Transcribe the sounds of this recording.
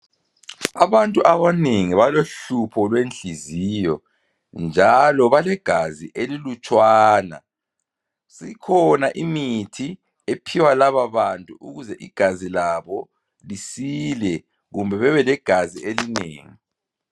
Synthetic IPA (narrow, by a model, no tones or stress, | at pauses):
aβantʼuʔaβaneŋiβaloɬupʰɔlwent͡ɬʼizijɔ̰ | nd͡ʒʱalɔβalɛɡ̥ʱaziʔelilut͡ʃʼwaːna̰ | sikʰɔnaʔimitʰi | epʰiwalaβaβantʼuuɣuzɛʔiɡ̥ʱazilaβɔ | lisilɛ | ɣumbʱɛβɛβɛlɛɡ̥ʱazḭelinḛːŋi